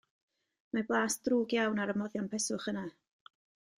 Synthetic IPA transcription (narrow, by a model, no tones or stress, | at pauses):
mablˠaːsd̥ruːɡjawnaɾəmɔðjɔnpʰɛsʊχəna